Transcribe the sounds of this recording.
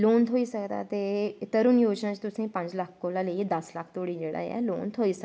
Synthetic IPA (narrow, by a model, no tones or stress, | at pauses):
loːnt̪ʰoːiːsəkd̪a̰ːt̪eːt̪əɾʊnjoːd͡ʒnãːt͡ʃt̪ʊsẽpə̃ɲd͡ʒləkʰkoːlaːləid̪əsləkʰt̪oːɽiːd͡ʒeːɽa̰ːɛ̰ːloːnt̪ʰoːiːsə